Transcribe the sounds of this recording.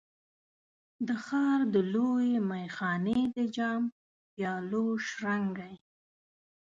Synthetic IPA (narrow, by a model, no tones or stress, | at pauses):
d̪əxɑɾd̪əlojemajxɑned̪əd͡ʒɑm | pjɑloʃɾaŋɡaj